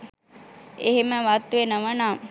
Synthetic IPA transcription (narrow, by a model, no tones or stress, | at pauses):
eɦeməʋat̪ʋenəʋənaː